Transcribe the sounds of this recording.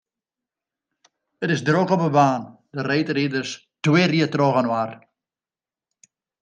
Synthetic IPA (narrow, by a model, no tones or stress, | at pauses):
ətɪzdrokɔpəbaːndəreːtridərs | twɪːriətrɔɣənwar